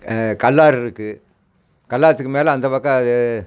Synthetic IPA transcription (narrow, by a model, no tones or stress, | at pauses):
kɐlːaːɾɪɾɯkːɯ | kɐlːaːɾɐt̪ːɯkːɯmeːlɐɐnd̪ɐpɐkːɐɐðɯ